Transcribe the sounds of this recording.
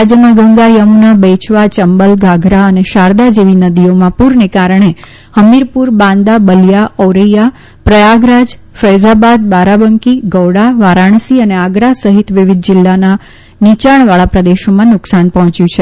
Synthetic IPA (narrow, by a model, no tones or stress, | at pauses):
ad͡ʒjəmãɡəŋɡajəmunabɛt͡ʃʋat͡ʃəmbəlɡaɡʱɾaəneʃaɾd̪ad͡ʒeʋinəd̪iomãpuɾnekaɾəɳ̃e | həmiɾpuɾbãnd̪abəljaɔwɾəja | pɾəjaɡɾad͡ʒ | fəjd͡ʒabad̪̚baɾabəŋkiɡəwɽaʋaɾaɳ̃siəneaɡɾasəɦit̪ʋɪʋɪd̪̚d͡ʒɪlːana | nit͡ʃaɳ̃ʋaɭapɾəd̪eʃomãnʊksanpəɦɔ̃t͡ʃjũt͡ʃʰe